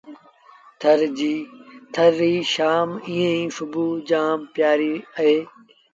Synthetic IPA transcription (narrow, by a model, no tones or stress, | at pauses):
t̪ʰəɾd͡ʑiːt̪ʰəɾiːʃaːmĩːẽĩːsʊbuːd͡ʒaːmpjaːɾiːəɦeː